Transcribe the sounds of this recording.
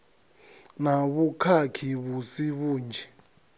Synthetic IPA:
naβukʰakʰiβusiβuːnd͡ʒʱɛ

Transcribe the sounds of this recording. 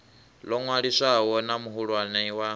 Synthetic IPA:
lɔŋwaɺisawɔnamuɦuɺwanɛiwa

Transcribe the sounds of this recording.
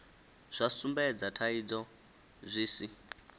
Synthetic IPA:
z̥ʷasumbɛd͡zatʰaid͡zɔ | zʷiːsi

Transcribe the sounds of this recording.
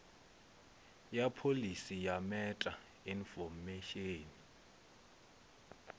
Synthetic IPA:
japʰolisijamɛtʼa | infɔmɛʃeːni

